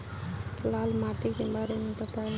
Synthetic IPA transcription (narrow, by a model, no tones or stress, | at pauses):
lalmaʈikebaɾemebət̪al